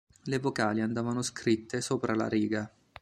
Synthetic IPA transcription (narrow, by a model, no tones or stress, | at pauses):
levokaːliand̪aːvanoskɾit̪ːesoːpɾʔala̰ɾiːɡa